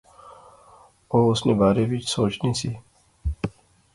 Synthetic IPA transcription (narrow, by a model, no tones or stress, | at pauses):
oːʊsnẽːbaːɾebʱɪt͡ʃsoːt͡ʃnisiː